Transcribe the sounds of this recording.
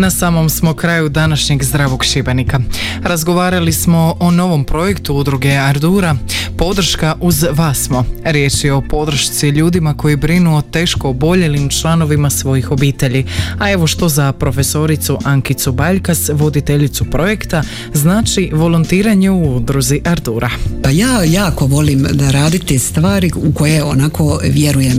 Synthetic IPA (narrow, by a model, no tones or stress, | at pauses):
nasaːmo̞msmo̞kɾaːjud̪anaʃɲeɡzd̪ɾaːʋo̞ɡʃibenika | ɾazɡo̞ʋaːɾalismo̞ʔono̞ʋo̞mpɾo̞je̞kt̪uud̪ɾuɡe̞aɾd̪uɾapo̞d̪r̩ʃkaʔuzʋasmo̞ɾje̞t͡ʃieo̞po̞d̪ɾr̩ʃt̪siʎuːd̪imako̞jibɾinuot̪e̞ːʃko̞ːbo̞ʎelimt͡ʃlˠano̞ʋimasʋo̞jixo̞biːt̪e̞ʎiae̞ʋo̞ʃt̪o̞zapɾo̞fe̞so̞ɾit̪suʔaŋkit̪subaʎkasʋo̞d̪it̪e̞ʎit̪supɾo̞je̞kt̪a | znaːt͡ʃiʋo̞lunt̪iːɾaɲe̞uud̪ɾuziʔaɾd̪uːɾapajaːjaːko̞ʋo̞limd̪aɾaːd̪it̪ist̪ʋaːɾiuko̞jeonakʰo̞ʋje̞ɾujem